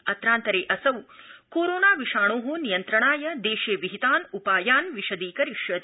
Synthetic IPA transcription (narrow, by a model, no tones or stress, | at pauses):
ɐt̪ɾaːnt̪ɐɾeːʔɐsɐwkoːɾoːnaːʋiʂaːɳ̃oːɦonijɐnt̪ɾɐɳaːjɐd̪eːʃeːʋiɦit̪aːnupaːjaːnʋiʃɐd̪iːkɐɾiʃjɐt̪